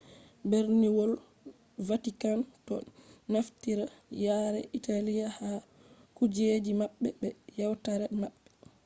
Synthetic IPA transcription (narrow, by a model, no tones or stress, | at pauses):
bɛɾniwɔl | vatikantɔ̰naftiɾajaːɾɛ̰ʔitalijaha | kud͡ʒed͡ʒimaɓːɛbɛjawtaɾɛmaɓːɛ